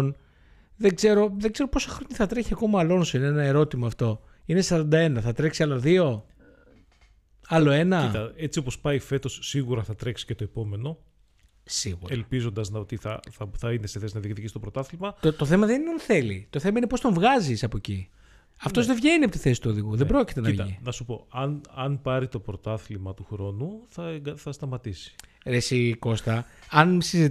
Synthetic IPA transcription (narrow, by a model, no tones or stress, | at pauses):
n | ðe̞ɡze̞ɾo̞ðe̞ɡze̞ɾo̞po̞sɐxɾoɲiθɐt̪ɾe̞çiɐko̞mɐːlo̞nsoinenɐe̞ɾo̞t̪imɐːft̪o̞ | ine̞sɐɾɐnd̪ɐe̞nɐθɐt̪ɾeksiɐlɐðio̞ | ɐlo̞e̞nɐit̪ɐet͡sio̞po̞spɐife̞t̪o̞sːiɣuɾɐθɐt̪ɾe̞ksi̥cet̪o̞epo̞me̞no̞ | sḭɣṵɾelpizo̞nd̪ɐznɐot̪iθɐ̰θɐθɐine̞seθe̞sinɐðikθicist̪o̞pɾot̪ɐθlimɐt̪ot̪oθe̞mɐðeiɐnθe̞lit̪oθe̞mɐinepost̪o̞ɱvɣɐzisɐpoeci | ɐft̪o̞zðevʝe̞niɐp̬ot̪iθe̞si̥t̪uoðiɣuðebɾo̞cit̪e̞nɐivɐinɐsupo̞ɐnɐnpɐɾit̪o̞pɾot̪ɐθlimɐt̪uxɾo̞nuθɐɡθɐst̪ɐmɐt̪isi̥ | ɾesiko̞st̪ɐɐnsizit̪